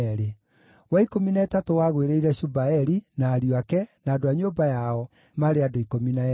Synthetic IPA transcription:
ɾe | waikominaɛtatowaɣweɾeiɾɛɕubaɛɾinaːɾjoakɛnaːdoaɲobajaɔ | maɾeadoikomina

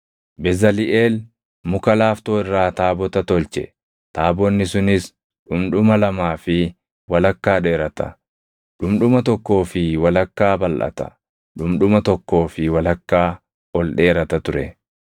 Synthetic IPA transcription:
bɛzɐlɪʔe̞ːl | mʊkɐlaːft̪o̞ːɪrːaːt̪aːbɔt̪ɐt̪ɔlt͡ʃɛ̰ | t̪aːbɔnːɪsʊnɪs | ᶑʊmᶑʊmɐlɐmaːfɪ | wɐlɐkːaːᶑe̞ːɾɐt̪ɐ̰ | ᶑʊmᶑʊmɐt̪ɔkːo̞ːfɪwɐlɐkːaːbɐlʔɐ̰t̪ɐ̥̰ | ᶑʊmᶑʊmɐt̪ɔkːo̞ːfɪwɐlɐkːaː | ɔlᶑe̞ːɾɐt̪ɐt̪ʊɾɛ

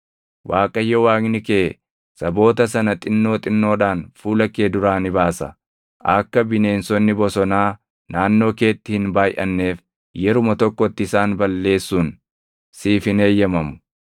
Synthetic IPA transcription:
wʔaːkʼɐjːɔwaːknɪkeː | sɐbo̞ːt̪ɐs̬ɐnɐt̪ʼɪnːo̞ːt̪ʼɪnːo̞ːᶑaːnfuːlɐkːe̞ːd̪ʊɾaːnɪbaːsɐ̰ | ʔɐkːɐbɪne̞ːnsɔnːɪbɔsɔnaː | naːnːo̞ːke̞ːt̪ːɪhɪnbaːjʔɐnːe̞ːf | jɛɾʊmɐt̪ɔkːɔt̪ːɪɪsaːnbɐlːe̞ːsːuːn | siːfɪne̞ːjːɐmɐmʊ̥

